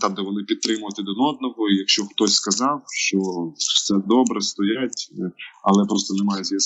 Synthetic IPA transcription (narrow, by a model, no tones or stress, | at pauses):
t̪ɑbd̪ɛʋɔnɪpʲid̪̚t̪ɾɪmʊjʊt̪ɪd̪ɔnɔd̪̚nɔɦɔijɐkʃt͡ʃɔxt̪ɔsʲskɐzɑwʃt͡ʃɔ̥sɛd̪ɔbɾɛst̪ɔjatʲɐlˠɛpɾɔst̪ɔnɛmɑjʊzʲjis